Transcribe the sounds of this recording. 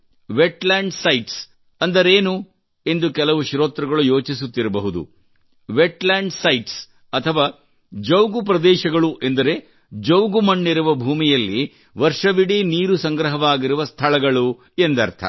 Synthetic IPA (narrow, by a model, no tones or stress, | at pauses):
ʋeʈlaːɳɖsɐjʈs | ɐnd̪ɐɾeːnu | e̞nd̪ukɛlɐʋuʃɾoːt̪ɾɐɡɐɭujo̞ːt͡ʃisut̪ːiɾɐbɐɦud̪ṵ | ʋeʈlaːɳɖsɐjʈs | ɐt̪ʰɐʋaː | d͡ʒɐwɡupɾɐd̪ɛːʃɐɡɐɭuʔe̞nd̪ɐɾe̞ | d͡ʒɐwɡumɐɳːiɾuʋɐbʱuːmijɐlːi | ʋɐɾʂɐʋiɽiniːɾusɐŋɡɾɐɦɐʋaːɡiɾuʋɐst̪ʰɐɭɐɡɐɭu | e̞nd̪ɐɾt̪ʰɐ̰